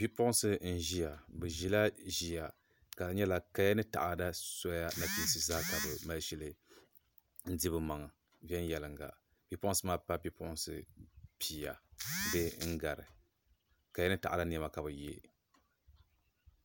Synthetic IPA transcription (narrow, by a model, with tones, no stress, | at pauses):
bi˦pʊ˦sɨ˦n̩˦˨ʒi˦ja˨bɨ˨ʒi˦la˦ʒi˨ja˨ | ka˨˦ɲɛ˦la˨ka˦ja˦nɨ˦ta̰˨ʔa˨da˦sɔ˦ja˦na˦pi˦sɨ˨zaː˦ka˨bɨ˨ma˨lʃi˦lɨ˦ | n̩˦di˦bɨ˦ma˨ŋ˨ | vɛ˦n˦jɛ˨lɨ˨ŋɡa̰˨ | bi˦pʊ˦ʔʊ̃˦sɨ˦maː˦pa˦bi˦pʊ˦ʔʊ˦nsɨ˦pʰi˨a̰˨dɨ˦ŋ̩˦ɡa˨ɾɨ̰˨ | ka˨ja˦nɨ˦ta˨ʔa˨da˦n˦˨ɛ˨ma˨ka˨bɨ˨je˦